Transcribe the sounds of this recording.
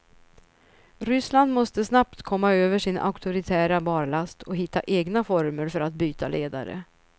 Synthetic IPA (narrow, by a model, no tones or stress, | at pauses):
ɾʏsland̪mɔst̪əsnapt̪kʰɔmːaøːvəʂɪnʔa̰ʊkt̪ʊɾɪt̪ʰæːɾabɑːɾlast̪ʰɔɦɪt̪ːa̰ʔeːɡnafɔɾməɾfœɾat̪̚byːt̪ʰalʔeːd̪a̰ɾə̰